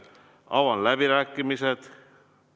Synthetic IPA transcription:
ɑ̰wɑnlæb̥iɾæːkːˑimised̪̥

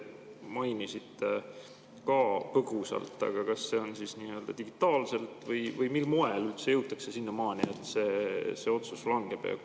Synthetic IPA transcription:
mɑjnisit̪ːe | kɑːpɤɡ̥usɑ̰lt̪ːˑɑ̰ɡ̥ɑkɑsːe̞o̞nsisniːøld̪ɑd̪iɡ̥it̪ːˑɑːlse̞lt̪vɤjvɤjmilmo̞e̞lylt̪se̞jɤwt̪ːˑɑksesinːɑmɑːniet̪se̞ːse̞ːo̞t̪suslɑŋɡ̥e̞b̥eɑ̰

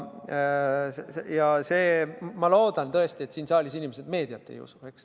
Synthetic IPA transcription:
sjɑseːmɑlo̞ːd̪ɑnt̪ɤ̞e̞st̪iet̪siːnsɑːlʲisinʲimese̞d̪me̞ːd̪̥iɑlt̪ːˑḛjṵsue̞ks

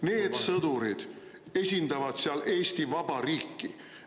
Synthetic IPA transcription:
ne̞ːd̪̥sɤd̪̥uɾid̪̥ | e̞sʲind̪̥ɑvɑd̪̥seɑle̞ːst̪ivɑb̥ɑɾiːkˑːi

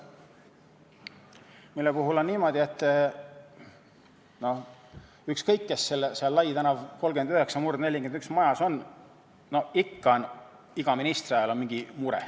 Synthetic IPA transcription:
milːepuɦulo̞nːiːmo̞d̪̥ʲie̞t̪ːˑ | no̞h | ykskɤjkːesːelːseɑlːɑjt̪ænɑvko̞lɡ̥yend̪yheksɑmurd̪ne̞lʲːikenyksmɑjɑso̞n | no̞hikːɑon | iɡ̥ɑminist̪riɑjɑlonmiŋɡ̥imuɾḛ

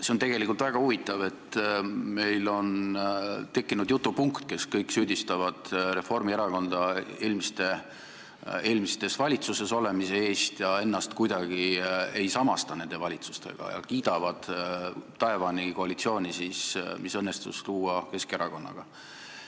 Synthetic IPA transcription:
se̞ont̪e̞ɡ̥e̞likˑult̪væɡ̥ɑhuvit̪ːˑɑve̞t̪ːme̞jlo̞n | t̪e̞kːinud̪jut̪ːˑupuŋkt̪ke̞skɤjksyːd̪̥ist̪ɑvɑd̪̥ɾe̞fo̞rmieɾɑko̞nd̪̥ɑe̞ːlmist̪e̞ | e̞ːlmist̪e̞svɑlʲit̪suse̞so̞le̞mise̞e̞ːst̪jɑe̞nːɑst̪kujd̪̥ɑɡ̥ie̞jsɑmɑst̪ɑne̞nd̪e̞vɑlʲit̪su̥st̪e̞̰ɡ̥ɑ̰jɑ̰kiːd̪̥ɑvɑd̪̥t̪ɑe̞vɑniko̞ɑlit̪sio̞ːnʲisismisɤnːe̞st̪ṵsluːɑke̞ske̞ɾɑko̞nːɑ̰ɡ̥ɑ

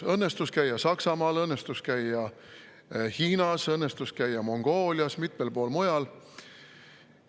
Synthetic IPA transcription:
ɤnːe̞st̪uskæjːɑsɑksɑmɑːlɤnːe̞st̪uskæjːɑ | hiːnɑsɤnːest̪uskæjːɑmo̞ŋɡ̥o̞ːlʲjɑsmit̪me̞lpo̞ːlmojɑl

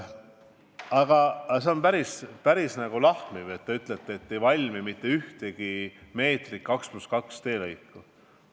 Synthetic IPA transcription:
ɑɡ̥ɑse̞o̞npæɾispæɾisnæɡ̥ulɑhmive̞t̪ːeyt̪ˑlet̪ːeet̪ːe̞jvɑlʲmimit̪ːe̞yht̪e̞ɡ̥ime̞ːt̪riːɑksmuskɑkst̪e̞ːlɤjkːˑu

